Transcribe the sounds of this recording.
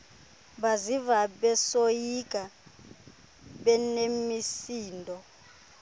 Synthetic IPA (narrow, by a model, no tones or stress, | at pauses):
bazivaɓɛsojikʼa | ɓɛnemisiːndʱɔ